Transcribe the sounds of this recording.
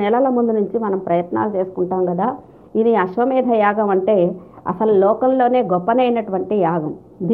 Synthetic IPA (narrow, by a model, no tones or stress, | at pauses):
ɛlɐlɐmund̪unuɲt͡ʃimɐnɐmpɾɐjɐt̪na̰ːlut͡ʃe̞ːsu̥kuɳʈaːmɡɐd̪aː | iniɐʃʋɐmiːd̪ʱɐjaːɡɐmɐɳʈe̞ːɐ̰sɐlulɔːkɐllo̞ːne̞ːɡɔpːɐnejnɐʈuʋɐɳʈijaːɡɐm | d̪